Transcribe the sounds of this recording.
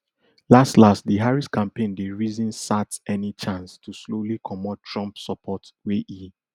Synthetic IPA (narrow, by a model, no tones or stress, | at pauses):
lastlastdiɦaɹiskãmpẽndeɹizĩnsatɛnit͡ʃãnstʰuslolikʰɔmɔttʰɹɔ̃mpsɔpʰɔtweʔi